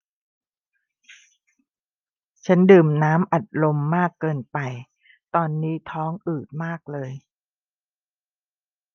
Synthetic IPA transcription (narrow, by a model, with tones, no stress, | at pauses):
t͡ɕʰa˦˥ndɯː˨˩mnaː˦˥mʔa˨˩t̪̚lo˧mːaː˥˩kːɤː˧npa˧j | t̪ɔː˧nːiː˦˥t̪ʰɔː˦˥ŋʔɯː˨˩t̪̚maː˥˩k̚lɤː˧j